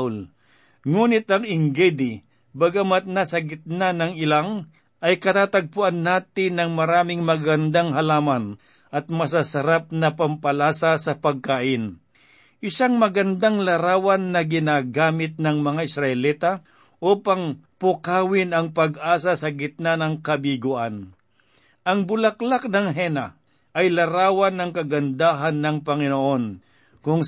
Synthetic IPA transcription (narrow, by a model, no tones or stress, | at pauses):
l | ŋuːnɪt̪ɐŋɪŋɡɛd̪ɪ | bɐɡamat̪̚nasɐɡɪt̪̚nanɐŋɪlaŋ | ʔɐjkɐt̪aːt̪aɡ̚pʊʔanːaːt̪ɪnɐŋmɐɾaːmɪŋmɐɡɐnd̪aŋɦɐlaːman | ʔɐt̪̚mɐs̬asɐɾap̚nɐpɐmpɐlaːsasɐpɐɡ̚kaːʔɪn | ʔɪsaŋmɐɡɐnd̪aŋlɐɾaːwɐnːɐɡɪnaːɡaːmɪt̪̚nɐŋmɐŋaʔɪsɾɐʔɛliːt̪a | ʔoːpɐŋpʊkaːwɪnɐŋpɐɡʔaːsasɐɡɪt̪̚nanɐŋkɐbiɡʊʔan | ʔɐŋbʊlɐklak̚nɐŋɦɛna | ʔɐjlɐɾaːwɐnɐŋkɐɡɐnd̪aːɦanːɐŋpɐŋɪnoʔon | kʊŋ